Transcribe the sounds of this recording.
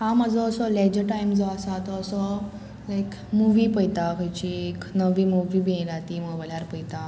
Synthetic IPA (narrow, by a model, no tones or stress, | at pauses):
hãmad͡zʱɔːsɔled͡ʑəʈajmd͡zɔasat̪ɔːsɔ | lajk | muʋipəjt̪akʰəjt͡ɕieknəʋimuʋibʱiẽlat̪iməobalaɾpəjt̪a